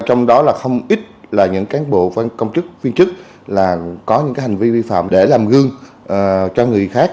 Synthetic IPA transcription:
t͡ɕɔ˧wŋ͡mɗɔ˨˦laː˨˩xə˧wŋ͡mʔi˦˥t̚laː˨˩ɲɨ̰˧˥ŋkaː˨˦nɓo̰˧˨fa˧kə˧wŋ͡mt͡ɕɨ˦˥k̚vi˧ənt͡ɕɨ˦˥k̚ | laː˨˩kɔ˨˦ɲɨ̰˧˥ŋaː˨˦ha˨˩ŋ̟vi˧vi˧fa̰ː˧˨mɗe˧˩laː˨˩mɣɨ˧əŋː˨˩ | t͡ɕɔ˧ŋɨ˨˩əjxaː˦˥k̚

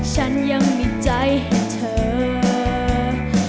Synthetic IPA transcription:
t͡ɕʰa˦˥nja˧ŋmiː˧˩t͡ɕa˧˩jhe˨˦nt̪ʰɤː˨˦

